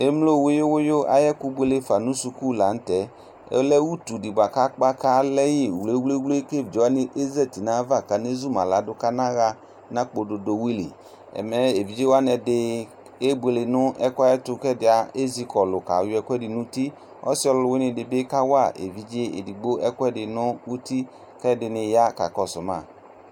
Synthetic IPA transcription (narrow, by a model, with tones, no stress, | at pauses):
e˦mlo˦˨we˦jo˦wʊ˦jo˦ʔa̰˨jɛ˦ku˦bʷe˦le˦fa˨nũ˦su˧ku˦˨la˨n̩˦tɛ˦ | ɛ̰˦lɛ˦wu˦tu˨di˨bʷa˨ka˦k͡pa˦ka˦lɛ˦ji˦˨wle˦wle˦wle˦ke˦˨vd͡ʒe˨˦wa˦nɪ˦ʔe˦zɛ˦˨ti˨nã˨˦va˦˨ka˨ne˦zu˦mã˨la˨˦dʊ˦ka˦nã˦ɣa˦ | nã˦k͡po˨do˨do˨wi˦lḭ˨ | ɛ̰˨mɛ˦e˨vi˨˦d͡ʒe˦wa˦nɛ˧dɪ˧ | e˦bu˨e˨lɪ˨nʊ˦ɛ˦kʷa˦ɛ˦tʊ˧kɛ˦dɪ˨a˨e˦zi˧˦kɔ˨lʊ˨ka˨jʊ˦ɛ˧kʷɛ˦dɪ˨nu˦ti˦ | ɔ̰˦sɪ˦ɔ˧lʊ˧lʊ˧wɪ˦nɪ˧dɪ˨˧bɪ˦ka˦wa˦˨ʔḛ˨vi˨˦d͡ʒe˦ḛ˨di˨ɡ͡bo˦ɛ˦kɛ˦˨dɪ˨nʊ˦wu˦ti˦ | kɛ˦dɪ˧nɪ˧ja˦ka̰˨kɔ˨sʊ˨ma̰˦˨